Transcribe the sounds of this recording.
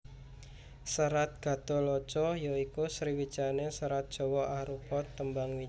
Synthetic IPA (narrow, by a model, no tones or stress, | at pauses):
səɾat̪̚ɡ̥a̤t̪olɔt͡ʃɔjoikusɾiwit͡ʃanesəɾat̪̚d̥ʒ̥ɔ̤wɔaɾupɔt̪ːəmbaŋwi